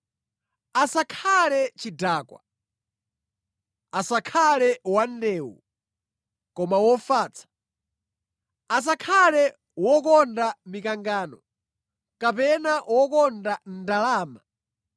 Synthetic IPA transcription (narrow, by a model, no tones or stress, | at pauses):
asakʰalɛt͡ʃidaːkwa̰ | asakʰalɛwandɛːwṵ | kɔmawɔfaːt͡sʰḁ | as̬akʰalɛ | wɔkɔndamikaŋɡaːnɔ | kapɛnaʔwɔkɔndan̩dalaːma